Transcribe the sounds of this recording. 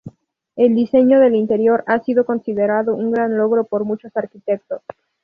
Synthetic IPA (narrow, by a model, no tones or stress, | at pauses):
e̞ld̪ise̞ɲo̞ðe̞lint̪e̞ɾjo̞ɾasiðo̞ko̞nsiðeɾaðo̞ʔuŋɡɾanlo̞ɣɾo̞po̞ɾmut͡ʃo̞saɾkit̪e̞k̚t̪o̞s